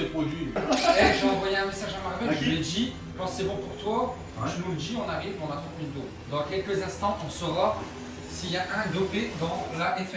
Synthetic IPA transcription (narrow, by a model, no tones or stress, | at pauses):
epχod̪ɥiɛʒɑ̃vwajeɛ̃mesaʒamaʁvɛʒəled̪i | kɑ̃sɛbɔ̃puʁt̪wa | ʒənuləd̪iɔ̃naʁiveɔ̃nat̪ɔ̃ind̪o | d̪ɑ̃kʲɛlkəzɛ̃st̪ɑ̃ʔũʁəsəvwaʁ | siljaʔɛ̃d̪oped̪ɑ̃laʔɛf